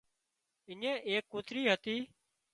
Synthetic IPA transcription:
ɪɲẽːʔeːkːut̪ɾiːɦət̪iː

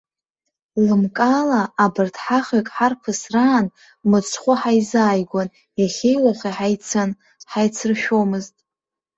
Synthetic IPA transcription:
lɨmkʼaːlaːbɨrtʰħaχʲʏkʼħarpʰɨsraːn | mɨt͡sʰχʷʊħajzaːjɡʷan | jaχʲejlaχiħajt͡sʰan | ħajt͡sʰɨrʃᶣomɨztʼ

